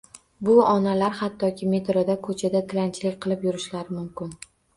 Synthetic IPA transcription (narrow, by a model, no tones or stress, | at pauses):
bʊɒnalaɾhat̪ʰːɒkʲʰɪme̞t̪ɾod̪akʰɵt͡ʃʰad̪at̪ʰɪlant͡ʃʰɪlɪkʲqʰɨlˠɪpjʊɾɪʃlaɾɪmʊmkʲɪn